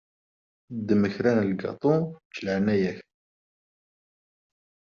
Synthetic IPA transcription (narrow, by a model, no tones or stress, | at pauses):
d̪əməçɾænəlɡɑ̰t̪ˤut͡ʃlʕnæjæk